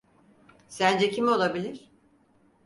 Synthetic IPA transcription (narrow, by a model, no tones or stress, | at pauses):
sænd͡ʒɛcʰimo̞lˠabilʲiɾ̥